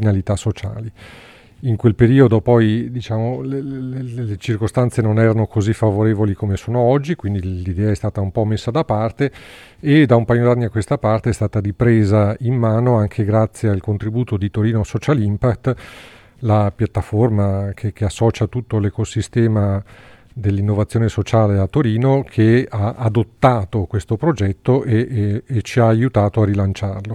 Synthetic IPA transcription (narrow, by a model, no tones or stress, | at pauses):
inalit̪asːot͡ʃa̰ːli | iŋkwelpeɾiːod̪opɔjd̪it͡ʃaːmoleellet͡ʃirkost̪ant̪senonɛːɾanokozifːavoɾeːvolikomesoːnoɔd͡ʒːikwind̪ilid̪ɛːaɛst̪aːt̪aumpɔmesːad̪apart̪eː | d̪aumpajod̪anːiakːwest̪apart̪eɛst̪aːt̪aɾipɾeːzaimːaːnoaŋkʰeɡɾat̪sːjealkont̪ɾibuːt̪od̪it̪oɾiːnosɔt͡ʃalimpakt̪ | lapjat̪ːaformakʰek̟easːɔːt͡ʃat̪ut̪ːolekosist̪ɛːma | d̪elːinːovat̪sːjoːnesot͡ʃaːleat̪ːoɾiːnokʰeaːd̪ot̪ːaːt̪okwest̪opɾod͡ʒɛt̪ːoʔeːt͡ʃiaːjut̪aːt̪oarːilant͡ʃarlo